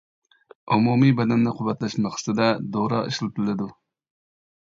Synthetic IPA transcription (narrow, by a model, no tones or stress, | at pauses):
umumijbɛd̪ɛnːɪqʰʊwːɛt̪læʃmɑχɨ̥t̪ɨd̪ɛd̪oɾɑ̰ḭʃlˠt̪ʰlɪd̪ʊ